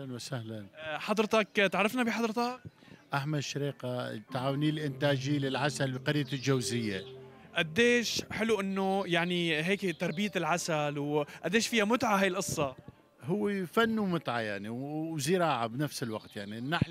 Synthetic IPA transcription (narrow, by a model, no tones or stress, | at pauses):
anwasahlanħɑd̪ˤɾt̪ɑkt̪aʕɾːˤɑfnabɪħɑd̪ˤɾt̪ɑkʔaħmad̪ʃaɾiːqat̪aʕaːwniːlʔɪnt̪aːd͡ʒilɪlʕasalbqɑɾɪjːald͡ʒawzɪjːa | ʔad̪ːeːʃħɪluʔɪnːʊjaʕniɦeːkt̪ɑɾˤbijat̪ɪlʕasalwʔad̪ːeːʃfiːhamʊt̪ʕahajɪlʔɨsˤːɑ | hʊwːifanːumʊt̪ʕajaʕniwzɪɾɑːʕabnafsɪlwaqt̪jaʕninːaħ